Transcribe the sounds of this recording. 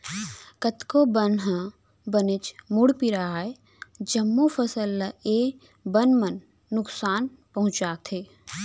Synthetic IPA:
kət̪kobənɦə̃ | bənɪt͡ʃmʊɽpiɾaɦae | d͡ʒɐmːufʰɐsəlːaeː | bənmənː | ʊksaːn | pɐɦʊ̃t͡ʃaːt̪ʰeː

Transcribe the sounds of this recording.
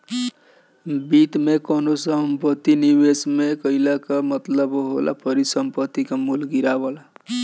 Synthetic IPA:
bit̪mekɔnosəmpət̪ːinibesmekəilakamət̪ləbɦo̰la̰pəɾisəmpət̪ːikamulɡiɾabəla

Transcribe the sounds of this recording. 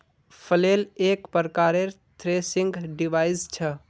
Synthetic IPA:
pʰəlelekpəɾkaɾeɾt̪ʰɾesiŋɡɖiʋaist͡ʃʰə

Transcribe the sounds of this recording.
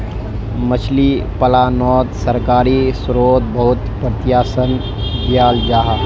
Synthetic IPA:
mət͡ʃʰlipəlaːnɔːt̪səɾkaːɾisɾoːd̪̚bəɦʊt̪pɾɪt̪jaːsən | d̪jaːld͡ʒaːɦa

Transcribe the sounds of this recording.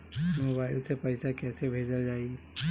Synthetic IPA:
mobaːɪlsepəɪsakɛːsebʱed͡ʒəld͡ʒaːi

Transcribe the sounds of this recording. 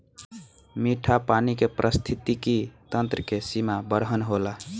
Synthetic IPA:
miʈʰapanikepɾʔəst̪ʰit̪ikit̪ənt̪ɾəkesimabəɾɦənɦola

